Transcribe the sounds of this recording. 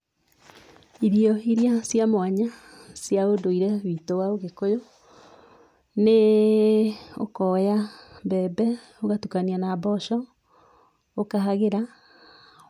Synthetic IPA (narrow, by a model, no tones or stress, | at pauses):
iɾiɔiɾiasjamoaɲa | sjaodoiɾɛwiːtowaoɣekojo | ne | okɔjabɛːbɛ | oɣatukanianabɔʃɔ | okaɦaɣeɾa